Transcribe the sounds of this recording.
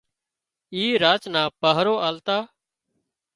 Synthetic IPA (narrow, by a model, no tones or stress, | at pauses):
iːɾaːt͡ʃnaːpəɦɾoːaːlt̪aː